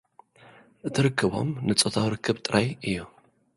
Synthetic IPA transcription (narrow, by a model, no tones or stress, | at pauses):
ʔɨt̪ʰɨɾɨkʰːɨβo̞̰mnɨt͡sʼot̪ʰawɾɨkʰːɨbt̪ʼɨɾʔajʔɨjːu